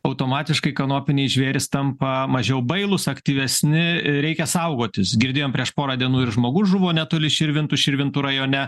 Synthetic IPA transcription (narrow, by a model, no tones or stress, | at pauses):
ɐʊt̪oːmɑːt̪ʲɪʃkɐɪkɐnoːpʲɪnʲeɪʒʲʋʲeːɾʲɪst̪ɐmpɐmɐʒʲɛʊbɐɪlˠʊsɐkt̪ʲiːʋʲɛsʲnʲɪɾʲɛɪkʲɛsɐʊɡoːt̪ʲɪsɡʲɪɾʲd̪ʲeːjoːmpʲɾʲiɛʃpoːɾɑːd̪ʲiɛnuːɪɾʒmoːɡʊsʒʊʋoːnʲɛt̪oːlʲɪʃʲɪɾʲʋʲɪnt̪ʊʃʲɪɾʲʋʲɪnt̪ʊɾɐjoːnʲɛ